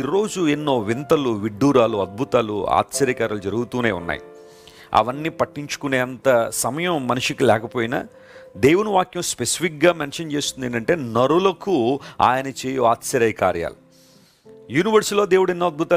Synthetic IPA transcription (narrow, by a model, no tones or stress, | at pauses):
iɾo̞ːd͡ʒuenːo̞ːʋint̪ɐluʋiɖːuːɾaːluɐd̪̚bʱut̪aːlua̰ːt̪sɐɾɐkɐɾaːlud͡ʒɐɾuɡut̪uːne̞ːunːa̰ːjḭ | ɐ̰ʋɐnːiːpɐʈːiɲt͡ʃu̥kune̞ːɐnt̪ɐsɐmɐjɐmːɐnuʂikilɛːkɐpoːjinɐ̰ː | d̪e̞ːwunuʋaːkjɐ̃mspesi̥pʰik̚ɡaːmenʂɐnt͡ʃe̞ːst̪und̪eɳʈɐɳʈe̞ːnɐɾulɐkua̰ːjɐnɐt͡ʃeːjoːaːt̪sɐɾɐjkaːɾja̰ːlu | juːniʋɐɾsilo̞ːd̪e̞ːwuɽenːoːɐd̪̚bʱut̪aː